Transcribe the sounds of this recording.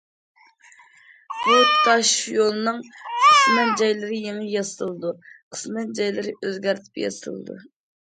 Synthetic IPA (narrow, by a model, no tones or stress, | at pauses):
b̥ut̪ʰɑʃjolˠnɨŋqʰə̥smɛnd͡ʒɑjlˠɨɾɨjeŋəjɑsɨlˠɨd̪uqʰə̥smɛnd͡ʒɑjlˠɨɾɪʔøzɡʲæɾt̪ʰɪ̥pjɑ̰sɨ̰lˠɨ̰d̪ṵ